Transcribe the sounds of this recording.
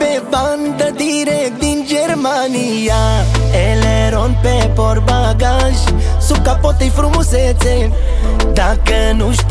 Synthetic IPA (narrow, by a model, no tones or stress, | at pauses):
peband̪ɐd̪iɾɛk̪̚d̪ind͡ʒeɾmaniaɛleɾonpɛpɔɾbaɡaʒsukapɔt̪ejfɾumuset͡se | d̪akənuʃ